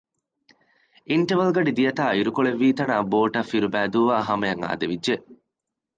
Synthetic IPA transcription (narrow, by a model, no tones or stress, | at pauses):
iɳʈɐʋɐlɡɐɖid̪ijɐt̪aːiɾukoɭeʋːiːt̪ɐnaːboːʈɐfːiɾubæːd̪uːʋaːɦɐmɐjɐŋa̰ːd̪eʋid͡ʒːe